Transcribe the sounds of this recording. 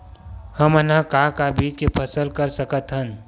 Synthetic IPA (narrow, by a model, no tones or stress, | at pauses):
həmənɦãkakabiːd͡ʒkepʰəsəlkəɾsəkət̪ɦən